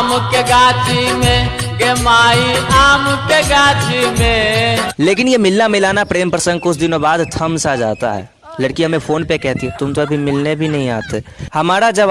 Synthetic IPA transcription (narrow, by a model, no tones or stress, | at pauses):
mkeɡaːt͡ʃʰimẽ | ɡemaːiaːmkeɡaːt͡ʃʰimẽleːkɪnjemɪlːamɪlaːnapɾeːmpɾəsə̃ŋɡ̚koʊsd̪ɪnobaːd̪t̪ʰɐmsad͡ʒa̰ːt̪a̰ɦɛ̰ː | lɐɽkiɦɐmẽfʰoːnpekɛɦt̪iɦõt̪ʊmt̪oɐbʱimɪlnebʱinɐɦĩa̰ːt̪ehɐmaːɾad͡ʒɐb